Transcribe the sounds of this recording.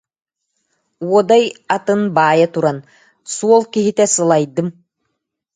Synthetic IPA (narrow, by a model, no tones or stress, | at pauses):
uɔd̪ajat̪ɯnbaːjat̪uɾan | suɔlˠkiɦit̪ɛsɯlˠajd̪ɯm